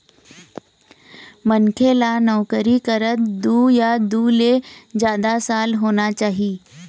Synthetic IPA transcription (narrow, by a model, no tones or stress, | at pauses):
mɐnkʰelanɔʋkəɾikəɾət̪d̪uːjad̪uːlezjaːd̪asaːlɦoːnat͡ʃaːɦiː